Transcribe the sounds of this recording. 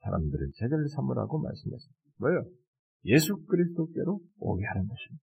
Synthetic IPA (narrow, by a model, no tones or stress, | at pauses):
sʰaɾa̰mdɯɾɯnsʰeɡeɭsʰamuɾa̰ɡoma̰ɭs͈ɯmḛsʰʌ | mʌjʌ | je̞sʰukʰɯɾisʰɯdok͈e̞ɾoo̰ɡehanɯnɡʌɕʰi̥n